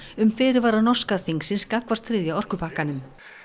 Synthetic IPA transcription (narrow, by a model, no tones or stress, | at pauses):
ʏmfɪːɾɪɾvaːɾaðnɔr̥skaðθiŋksɪnskakvast̪ʰɾɪːðjaɔr̥kʏpʰaːkanʏm